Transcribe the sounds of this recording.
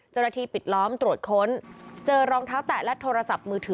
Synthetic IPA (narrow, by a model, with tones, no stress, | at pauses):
t͡ɕa˧˥wnaː˧t̪ʰiː˧pi˨˩t̪̚lɔː˦˥mt̪ɾu˨˩ət̪̚kʰo˦˥nt͡ɕɤː˧ɾɔː˧ŋt̪ʰaː˦˥wt̪ɛː˨˩lɛ˦˥t̪ʰoː˧ɾa˧sa˨˩p̚mɯː˧t̪ʰɯː˩˦